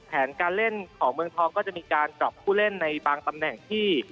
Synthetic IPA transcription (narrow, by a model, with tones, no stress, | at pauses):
p̪ʰɛː˩˦nkaː˧nle˥˩nkʰɔː˩˦ŋmɯ˧əŋt̪ʰɔː˧ŋkɔː˥˩t͡ɕa˨˩miː˧kaː˧nt͡ɕɔ˨˩p̚kʰuː˥˩le˥˩nːa˧jbaː˧ŋt̪a˧mnɛ˨˩ŋt̪ʰiː˥˩